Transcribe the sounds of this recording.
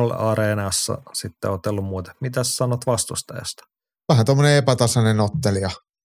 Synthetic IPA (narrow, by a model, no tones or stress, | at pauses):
olɑɾeːnɑsːɑ̰sit̪ːḛot̪elːummuːt̪ɑ̥mit̪æssɑnot̪ʋɑst̪ust̪ɑ̰jɑ̰st̪ɑ̥ | ʋæɦænt̪omːoneepæt̪ɑsɑnenot̪ːeliɑ